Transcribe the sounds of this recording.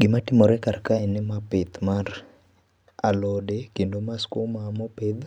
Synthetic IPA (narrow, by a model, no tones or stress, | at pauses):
ɡɪmatɪmoɾɛkarkaɛnɪmapɪt̪mar | a̰lɔdekendomaskomamoped̪